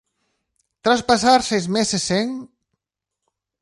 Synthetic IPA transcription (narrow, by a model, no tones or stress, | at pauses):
t̪ɾaspasaɾsezmeseseŋ